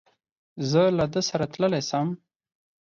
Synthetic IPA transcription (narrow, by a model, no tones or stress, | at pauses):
zəlad̪əsaɾat̪ləlesəm